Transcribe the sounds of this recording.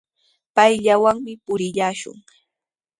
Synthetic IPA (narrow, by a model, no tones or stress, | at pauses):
pajʎawaŋmɪpʊɾɪʎaːʃʊ̰ŋ